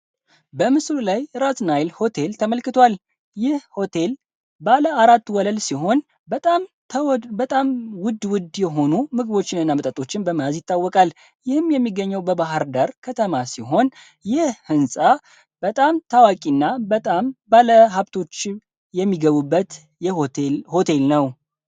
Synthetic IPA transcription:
bəmɨslulajɾat̪najlho̞t̪ʰe̞lt̪ʰəməlkɨt̪ʰwal | jɪhho̞t̪ʰe̞l | baləaɾat̪ːwɔləlsiɦo̞n | bət̪ʼam | ət̪ʼamwʊd̪wʊd̪jɛɦo̞numɨɡɨβo̞t͡ʃːɪnɨnːamət̪ʼət̪ʼo̞t͡ʃːɪnbəməazjɪt̪ːawːɔkʼal | jɪhɨmjɛmːiɡəɲːɛwbəbaɦaɾd̪aɾkʰət̪ʰəmasiɦo̞n | jɪhhɨnsʼa | bət̪ʼamt̪ʰawakʼinːabət̪ʼambaləɦaβt̪ʰo̞t͡ʃː | jɛmːiɡəβubːət̪ | jɛhot̪elho̞t̪ʰe̞lnəw

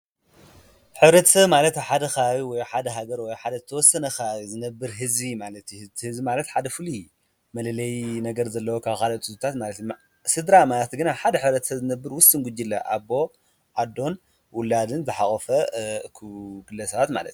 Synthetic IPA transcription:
ħɨβɾɐt̪ʰɐ̥sɐβmalɐt̪ħad̪ɐxɐaβiwɔjħad̪ɐɦaɡɐɾwɔjħad̪ɐzɨt̪ʰɐwɔsːɐnɐxaaβizɨnɐbːɨɾɦɨzbimalɐt̪j̪ʰhɨzbimalɐt̪ħad̪ɐfɨli | mɐlɐlɐjnɐɡɐɾzɐlːɐwokʰaβxalɐt̪ʼɨt̪ut̪ʰat̪malɐt̪j | sɨd̪ɾamalɐt̪ɡɨnaħad̪ɐħɨβɾɐt̪ʰɐ̥sɐβzɨnɐbːɨɾwʊst̪ɨnɡud͡ʒːilːɐ̰ʔa̰bo̞ | ʕad̪o̞n | wʊlːad̪ɨnzɨħaχʼofɐkʰuɡɨlːɐsɐβat̪ma̰lɐ̰t̪

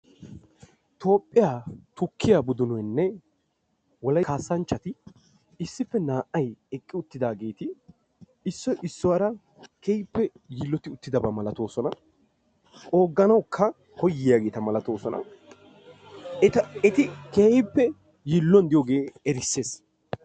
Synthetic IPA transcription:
t̪o̞ːpʼːɪjaːt̪ʊkːɪjaːbʊd̪ʊnɔjnːɛ | wɔlɐkaːsːɐnt͡ʃːɐt̪ɪ | ɪsːɪfːɛnaːʔɐjɛkʼːɪʊt̪ːɪd̪aːɡe̞ːt̪ɪ | ɪsːɔjʔɪsːɔwɐɾɐ | keɪpːɛ | jiːlːɔt̪ɪʊt̪ːɪd̪ɐbɐmɐlɐt̪o̞ːsɔnɐ | o̞ːɡːɐnɐwkʰːɐ | kɔjːɪjaɡe̞ːt̪ɐmɐlɐt̪o̞ːsɔnɐ̰ | ɛt̪ɐɛt̪ɪkeːhɪpːɛ | jiːlːɔnd̪ɪjoːɡe̞ːɛɾɪsːe̞ːs

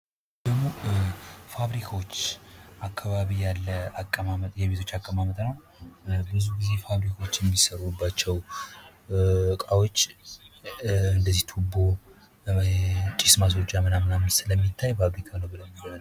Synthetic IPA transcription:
d̪̥əɡmo | faβɾikʰawot͡ʃːʔakʰːaβaβijalːəakʼːəmamət̪jɛβet̪ʰo̞t͡ʃːakʼːəmamət̪ʼnəw | bɨzuɡize̞faβɾikʰawot͡ʃːjɛmːisəɾubːat͡ʃːɛw | kʼawot͡ʃː | ɨnd̪əzːiht̪ʰubo̞ | t͡ʃʼismas̬wot͡ʃʼːjamənamɨnaməsɨləmːit̪ʰːajfaβɾikʰanəwbɨləmːibəɾn

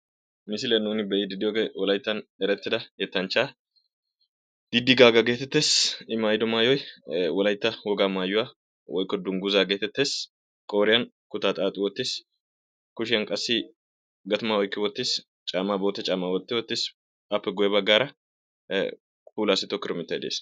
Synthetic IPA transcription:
mɪsɪlɛnːuːnɪbɛjɪd̪ɪd̪ːɪwɔɡewɔlɐjt̪ːɐnɛɾɛt̪ːɪd̪ɐjɛt̪ːɐnt͡ʃaː | d̪̥ɪd̪ːɪɡaːɡɐɡeːt̪ɛt̪ːeːsɪmaːjɪd̪ɔmaːjɔjwɔlɐjt̪ːɐwɔɡaːmaːjʊwa | wɔjkːɔd̪ʊŋɡʊzaːɡe̞ːt̪ɛt̪ːeːs | kʼoːɾɪjɐn | kʊt̪aːt̪ʼaːt̪ʼːɪwɔt̪ːɪs | kʊʃɪjɐnkʼɐsːɪ | ɡɐt̪ɐmawɔjkːɪwɔt̪ːɪs | t͡ʃʼaːmaːboːt̪ːɛt͡ʃʼaːmaːwɔt̪ːɛwɔt̪ːɪs | ɐpːɛɡʊjɛbɐɡːaːɾɐ | puːlaːsɪt̪ɔkːɪɾɔmɪt̪ːɐjd̪ḛːs

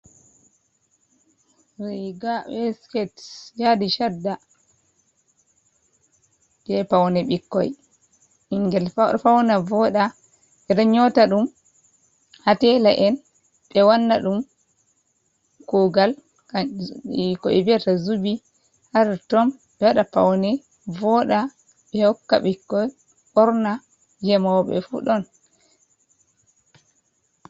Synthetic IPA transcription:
ɾiɡawɛskɛtjadiʃadːa | d͡ʒɛpawnaɓikːɔ̰j | iŋɡɛlfawnavɔɗa | ɓɛɾaɲɔtaɗum | hatɛlaʔɛn | ɓɛwanːaɗum | kuɡal | a | kɔɛbiatazubi | haɾatɔmɓɛwaɗapa̰wnɛ | vɔɗa | ɓɛhɔkːa̰ɓɛkːɔ | ɓɔɾna | ɡɛmɔɓɛ̰fṵɗɔn

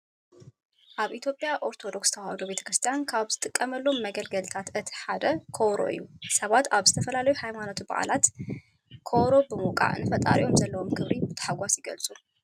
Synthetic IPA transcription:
ʔaβʔit̪ʰjo̞pʼjaʔo̞ɾt̪ʰo̞d̪o̞kst̪ʰɐwad̪obe̞t̪ʰɐ̥kɾɨst̪ʰijankʰaβzɨt̪ʼɨkʼːɐmɐlːo̞mːɐɡɐlɡɐlt̪ʰat̪ɨt̪ʰi̥ħad̪ɐkʰoβɾo̰ʔɨ̰jːusɐβat̪aβzɨt̪ʰɐfɐlalɐjuhajmanot̪ʰba̰ʔa̰lat̪ | kʰoβɾo̞bɨmukʼa̰ʔɨ̰nːɨfɐt̪ʼa̰ɾḭʔo̞mzɐlːɐwo̞mkʰɨβɾibɨt̪ʰɐ̥ħaɡʷasjɪɡɐlt͡sʼu

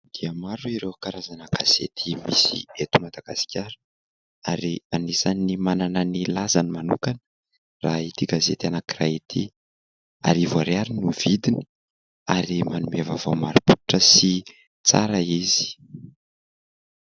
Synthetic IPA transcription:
d̪̥iəmaɾuiɾekaɾazanəɡaz̥ḛt̪ʰimisḭet̪umad̪aɡ̥asi̥kʲʰaɾə | aɾianesanimanananilazanimanṵkanə | rait̪iɡazet̪ianakirait̪ʰḭ | a̰ɾivuaɾeaɾinuv̥id̪ini̥ | aɾimanumavavo̰maɾuput̪uʈ͡ʂəsi | t͡sa̰ɾaizi̥

